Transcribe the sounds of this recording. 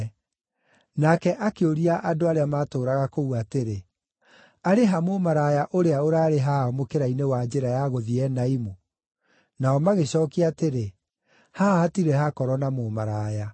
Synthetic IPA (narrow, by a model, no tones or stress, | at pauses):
nakɛʔakeoɾiaʔadoaɾeamaːtoːɾaɣakouateɾe | aɾeɦamomaɾajaʔoɾeaoɾaːɾeɦaɔmokeɾainewad͡ʒeɾajaɣoðiɛnaimu | naɔmaɣeɕɔːkiateɾe | hahatiɾɛɦakɔɾɔnamomaɾaːja